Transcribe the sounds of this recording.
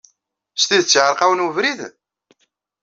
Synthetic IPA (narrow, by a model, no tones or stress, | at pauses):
st̪iðt͡sːʕəɾqæwənwəvɾið